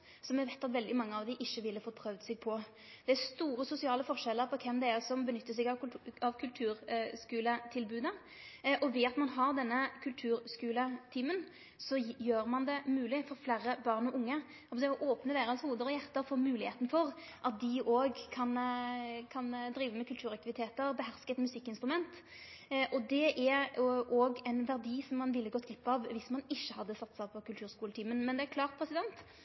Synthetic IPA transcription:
sɔmjɛʋæɪt̪ːɑt̪ʋɛld̪ɪmɑŋːəɑʋd̪ɪʔɪçːəʋɪlːəfɔt̪̚ːpʰʁœʋd̪sɛɡ̚pʰɔ | d̪̥ɛæɾst̪uːɾəsʊsɪɑːləfɔʁʂɛlːəɾpʰɔkʰɛmd̪ɛɛɾsɔmbənʏt̪ːəsɛɡɑɑʋkʰʉlt̪ʰʉːɾskʉːlət̪ʰɪlbʉːd̪ə | ʔɔʋɪɑt̪mɑnɦɑʁd̪ɛnːəkʰʉlt̪ʰʉːɾskʉːlət̪ʰiːmən | sɔjøːɾmɑnd̪ɛmʉːlɪfɔɾflæːɾəbɑʁnɔʔʊŋːə | ɑd̪ɛɔʔoːpnəd̪eːɾɑnshuːd̪əɾɔjæʁt̪əɾfɔːmʉːlɪheːt̪n̩fɔʁ | ʔɑt̪̚d̪ɪʔoːɡkʰɑn | kʰɑnd̪ɾiːʋəmɛkʉlt̪ʰʉːɾɑk̚t̪ɪʋɪt̪ʰeːt̪əɾbəɦæʁskəɛt̪mʉsɪkːɪnst̪ɾʊmɛnt̪ | ʔɔd̪ɛʔæɾʔoːɡɛɪnʋæʁd̪iːsɔmːɑnʋɪlːəɡɔt̪ʰːɪpːɑʋʋɪsmɑnɪʃːəhɑd̪ːəsɑt̪ːsæɪpʰɔkʉlt̪ʉːɾskuːlət̪ʰiːmənmɛnd̪ɛæɾkʰlɑːʁt̪̚pʰɾɛsɪd̪ɛnt̪

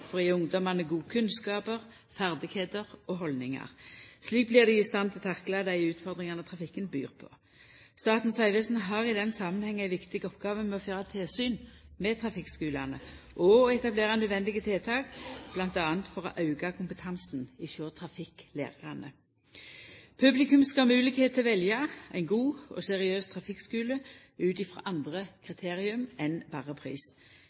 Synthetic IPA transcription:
fɔʁɛʊŋd̪ɔmɑnəɡuːkʰʉnskɑːpəʁ | fæʁd̪ɪɡ̥heːt̪əʁɔɦɔlnɪŋɑ̰ʁsliːk̚blɪʁd̪ɛɪst̪ɑnt̪ʰɪlt̪ʰɑklɑd̪æɪʉːt̪fɔʁd̪ʁɪŋɑnət̪ʰʁɑfɪkːənby̰ːʁpʰɔ̰ | st̪ɑːt̪n̩sɑɪʋɛsn̩ɦɑːʁɪd̪ɛnsɑːmənhɛŋːæɪʋɪkt̪ɪɡɔpɡ̥ɑːʋənmɛɔføːʁɑt̪ʰelsyːnmɛt̪ʰʁɑfɪkskʉːlɑnə | ʔɔːɛt̪ɑbleːʁɑnœd̪ʋɛnd̪ɪɡət̪ʰɪlt̪ʰɑːkb̥lɑnt̪ɑːənt̪fɔʁɔ̰ʔɑʉɡɑkʰʊmpət̪ʰɑnsnɪføːʁt̪ʰʁɑfɪklḛːʁəʁɑnə | pʰʉblɪkʉmskɑmʉːlɪkheːt̪ʰːɪlʋɛljɑʔæ̰ɪnɡuːɔ̰sɛʁɪøːst̪ʰʁɑfɪkskʉːlə | ʉːt̪ɪfʁɑ̰ːʔɑnd̪ʁəkʰʁɪt̪ʰeːʁɪʉmɛnbɑːʁəpʰʁḭːs

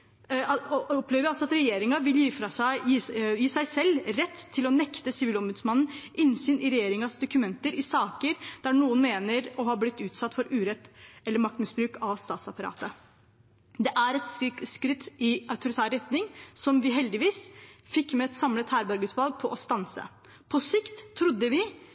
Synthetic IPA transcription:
ɔpleːʋəɾjɪɑlsɔɑt̪ɾɛjeːɾɪŋɑʋɪljiːfɾɑsæɪjiːsæɪsɛlːɾɛt̪ʰːɪlɔnɛkt̪əsɪʋiːlɔmbʉːd̪smɑnn̩ʔɪnsyːnɪɾɛjeːɾɪŋɑsd̪ʊkʉmɛnt̪əɾʔɪsɑːkəɾd̪̥æɳuːənmeːnəɾɔɦɑblɪt̪ːʉːt̪sɑt̪ːfɔɾʉːɾɛt̪ːɛlːəɾmɑk̚t̪mɪsbɾʉːkɑʋst̪ɑːt̪sɑpɑɾɑ̰ːt̪ə | d̪ɛʔæɾɛt̪skɾɪt̪ːɪɑʉt̪ʊɾɪt̪ʰæːɾɛt̪nɪŋsɔmʋɪɦɛld̪ɪʋiːsfɪkːmɛɛt̪sɑmlət̪hæːɾbæɾɡʉːt̪ʋɑlɡ̚pʰɔʔɔst̪ɑnsə̰ | pʰɔsɪkt̪ʰːɾʊd̪ːəʋɪ

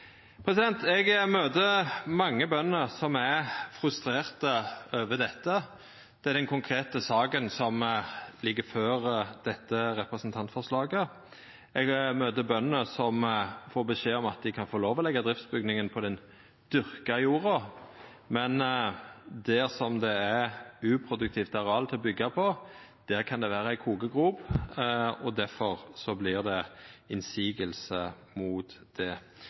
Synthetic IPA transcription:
pʰɾɛsɪd̪ɛnt̪ɛɡmøːt̪əmɑŋːəbœnːəsɔmæfɾʉst̪ɾeːʁt̪əøːʋəd̪ɛt̪ːə | d̪̥ɛæɾd̪ɛnkʰʊŋkʰɾeːt̪əsɑːkənsɔmlɪɡːəɾføːɾd̪̥ɛt̪ːəɾɛpɾɛsnt̪ʰɑnt̪fɔʁʂlɑːɡə | ɛɡmøːt̪əbœnːəsɔmfoːʁbəʃeːɔmɑt̪̚d̪ɪkʰɑnfɔɾloːʋɔlɛɡːɑd̪ʁɪft̪sbʏɡnɪŋənpʰɔd̪ɛn | d̪̥ʏɾkɑjuːɾɑ | mɛn | d̪æsɔmd̪ɛæɾʉːpʰɾʊd̪ʉk̚t̪ʰiːft̪ɑɾɑlt̪ʰɪlɔbʏɡːɑpʰɔd̪̥æːɾkʰɑnd̪ɛʋæːɾəæɪkʰuːɡəɡʁuːb | ɔd̪æɾfɔʁsɔblɪʁd̪ɛɪnsiːɡəlsə | mʊːt̪d̪̥ɛ

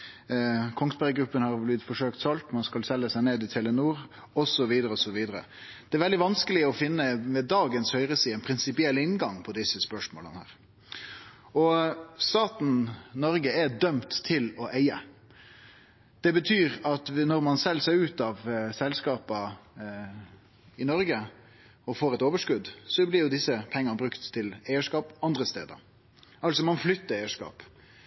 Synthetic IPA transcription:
kʰɔŋspæɾɡɾʉpːənhɑɾblɪt̪fɔʂøːkt̪sɑlt̪mɑnskɑlsɛlːəsæɪneːd̪ɪt̪ʰɛlːənuːɾ | ɔsɔʋiːd̪əɾəɔsɔʋiːd̪əɾə̰ | d̪̥ɛæɾʋɛld̪ɪʋɑnskəlɪɔfɪnːəmɛd̪ɑːɡənshœʏɾəsiːɛnpʰɾɪnsɪpɪɛlɪnɡɑŋpʰɔd̪ɪsəspœʂmo̰ːlə̰nəhæ̰ːɾ | ɔst̪ɑːt̪n̩nɔɾɡəɛd̪œmt̪ʰːɪlɔʔæɪə | d̪̥ɛbət̪ʰyːɾɑt̪nɔɾmɑnsɛlːseːʉːt̪ɑʋsɛlskɑːpə | ɪnɔɾɡə | ɔfoːɾɛt̪oːʋəʂkʉd̪sɔblɪɾjʊd̪ɪsːəpʰɛŋːənəbɾʉkt̪ʰːɪlæɪəʂkɑːpɑnd̪ɾəst̪ḛːd̪ə̰ | ɑlsɔmɑnflʏt̪ːəɾæɪəʂkɑ̰ːp

